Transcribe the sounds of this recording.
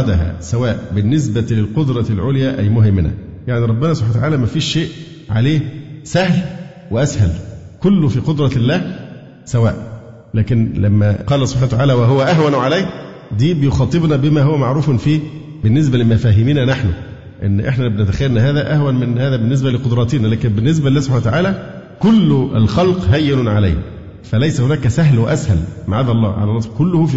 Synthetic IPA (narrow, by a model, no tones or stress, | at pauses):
d̪æɦæ̰sæwæːʔbɪnːɪs̬bælɪlqod̪ɾˤɑlʕoljæːʔæjmʊɦɪmːɪnæ̰ | jaʕniɾˤɑbːɪnæsˤobħant̪ʕaːlæmæfiːʃːeːʔ | ʕa̰leːsæhl | wɪʔæshælkʊlːʊfiːqod̪ɾˤɑlːæːh | sæwæːʔ | læːkɪnlæmːæqɑːlæsobħaːnt̪aʕaːlæwæɦowæʔæɦwænʕalæj | d̪iːbɪjoxɑːt̪ˤɨbnæbɪmæːhowæmaʕɾuːfnfiː | bɪnːes̬bælɪmæfæːɦɪmiːnænaħnʊ̰ | ʔḛnːʔeħnæbenæt̪æxæjːælnæɦæːðæʔæhwænmɪnhæːðæbɪnːes̬bælɪqod̪ɾˤɑːt̪enælæːkenbɪnːes̬bælːæːsob̥ħanwæt̪aʕaːlæ | kʊlːælxɑlqɦæjːɪnʊnʕalæ̰jh | fælæjsæhʊnæːkæsæɦlwæʔæshæ̰lmaʕaːd̪ɑlˤːɑ̰ːʕa̰lænˤːɑsˤkʊlːʊhuf